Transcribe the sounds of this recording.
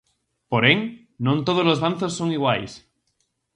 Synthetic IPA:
poɾeŋ | nõnt̪oð̞olozβanθosːoŋiɣwajs

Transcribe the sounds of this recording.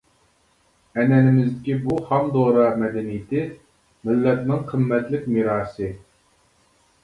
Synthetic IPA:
ɛnɛnɪmɪzd̪ɪkʲibuhɑmd̪oːɾɑmɛd̪ɛnijɪt̪ɪ | mɪlːɛt̪̚nɪŋqʰəmːɛt̪lɪkʲmiɾɑːsɨ

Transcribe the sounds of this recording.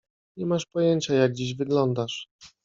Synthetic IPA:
ɲɛmaʂpɔjɛɲt͡ɕajaɡ̚ɡd͡ʑiʑvɘɡlɔnd̪aʂ

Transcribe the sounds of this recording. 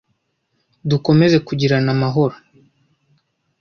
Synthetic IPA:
duko̞me̞ze̞kuɟiɾanamaɦo̞ɾo

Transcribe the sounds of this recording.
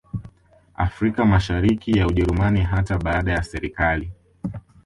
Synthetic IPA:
a̰fɾikamaʃaɾikijauʄɛɾumaniɦataɓaːɗajasɛɾikali

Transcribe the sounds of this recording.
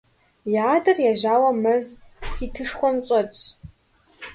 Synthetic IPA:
jaːdɨrjaʒawamɨzʲitʰɨʂχʷamt͡ʃʷʼat͡sʰʼ

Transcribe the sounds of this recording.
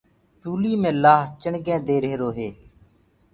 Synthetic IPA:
t͡ʃuːliːmẽːlaːɦt͡ʃəɳɡɛ̃ːd̪eːɾeeɾoːɦeː

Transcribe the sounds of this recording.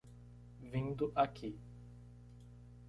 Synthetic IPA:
vĩnd̪ʊʔakʰi

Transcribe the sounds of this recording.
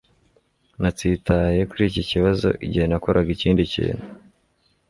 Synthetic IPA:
natitaje̞kuɾiːciciβazo̞̰ʔiɟihe̞nako̞ɾʔaɡiciːndicḭːn̥he

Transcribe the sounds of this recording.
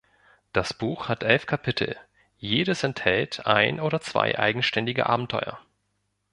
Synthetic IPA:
d̥asb̥uːxhatʔɛlfkʰapʰɪtʰl̩ | jeːdəsɛnthɛltʰʔa̰ɪnʔoːdɐt͡sv̥a̰ɪʔa̰ɪɡŋ̩ʃtɛndɪɡə̰ʔaːbm̩tʰɔʏɐ̰

